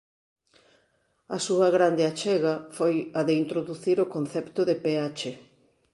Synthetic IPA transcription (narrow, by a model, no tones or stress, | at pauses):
ɐsuɐɣɾand̪eat͡ʃɛɣɐfojɐðeint̪ɾoðuθiɾokon̟θɛpt̪ʊðepeat͡ʃe